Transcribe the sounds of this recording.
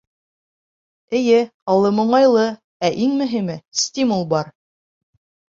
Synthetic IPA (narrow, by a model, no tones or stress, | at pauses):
ɘ̆jɘɑlˠɤmŏɴɑjlˠɤ | æʔiŋmɵ̆ɦimɘsʲtʲimulˠbɑɾ